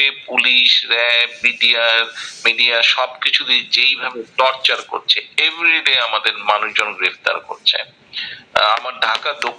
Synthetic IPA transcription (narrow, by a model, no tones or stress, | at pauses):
epuliʃɾɛmiɖiaɾmiɖijaʃɔbkit͡ɕʰud̪id͡ʑejbʱabet̪ɔɾt͡ɕaɾko̰ɾt͡ɕʰeevɾiɖejamad̪eɾmanuʃd͡ʑonɡɾeft̪a̰ɾko̰ɾt͡ɕʰḛ | amaɾɖʱakad̪o